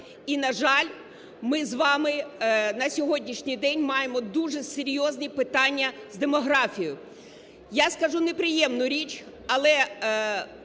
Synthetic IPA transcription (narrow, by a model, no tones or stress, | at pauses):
inɐʒɑlʲ | mɪzʋɑmɪnɐsʲɔɦɔdʲnʲiʃnʲijd̪ɛnʲmɑjemɔd̪uʒɛseɾʲjɔznʲipɪt̪ɑnʲːɐzd̪emɔɦɾɑfʲijʊ | jaskɐʒunepɾɪjɛmnʊɾʲit͡ʃ | ɐlˠɛ